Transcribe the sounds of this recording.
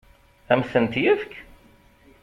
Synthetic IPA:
æmθənt̪jəvk

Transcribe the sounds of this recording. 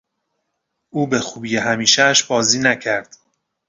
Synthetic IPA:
ʔuːbe̞xuːbijeɦæmiːʃæʃbɒːziːnæcʰæɾd̪̥

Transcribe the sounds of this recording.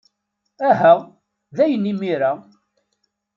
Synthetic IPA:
æɦæ | ðæjənːimiɾæ

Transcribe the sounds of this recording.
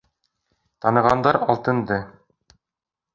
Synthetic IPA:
t̪ɑnɤ̆ʁɑnd̪ɑɾɒlˠt̪ɤ̆nd̪ɤ

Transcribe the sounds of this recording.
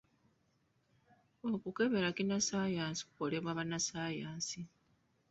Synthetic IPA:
o̞kuke̞βe̞ɾakinasaːjaːsi̥ku̥ko̞le̞βwaːβanasaːjaːsi

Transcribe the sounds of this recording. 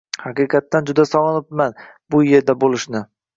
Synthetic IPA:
hɑqɨqʰɑt̪ːand͡ʒʊd̪asɒlˠɨnɪpman | bʊje̞ɾd̪abolˠɪʃnɪ

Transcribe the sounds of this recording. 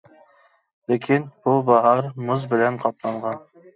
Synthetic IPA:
lekʲʰinb̥ubɑɦɑɾmʊzbɪlɛnqʰɑp̪̚lˠɑɴʁɑn

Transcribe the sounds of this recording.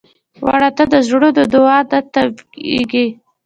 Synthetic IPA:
wa̰ɽat̪ad̪əʒɽod̪əd̪ʊɑd̪at̪abḛɡi

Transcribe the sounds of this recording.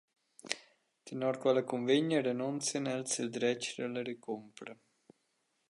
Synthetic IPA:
t̪ənɔɾkwɛləkunveɲəɾenunt͡sjənɛlsild̪ɾɛt͡ʃɾələɾekumpɾə

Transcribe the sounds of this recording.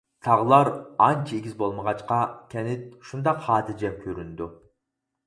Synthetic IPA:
t̪ʰɑʁlˠɑɾɑnt͡ʃʰieɡʲizbolˠməʁɑt͡ʃqɑkʲʰɛnɪt̪̚ʃund̪ɑqhɑːt̪ʰɪd͡ʒɛp̚kʲʰøɾynd̪u

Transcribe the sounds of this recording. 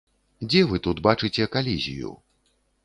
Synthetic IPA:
d͡zʲɛvɨt̪ut̪bat͡ʂɨt͡sʲɛkalʲizʲḭjṵ

